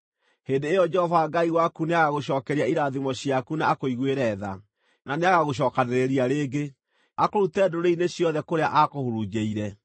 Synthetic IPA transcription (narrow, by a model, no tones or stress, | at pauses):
heːndeːjɔd͡ʒɛhɔvaːɡaiɣwakuneaɣaɣoɕɔːkɛɾiaiɾaðimɔɕjakuneakoiɣweɾɛːða̰ | naneaɣaɣoɕ̬ɔːkaneɾeɾiaɾeːɡe | akoɾutɛdoɾeineɕjɔðɛkoɾeaʔakohoɾud͡ʒeiɾɛ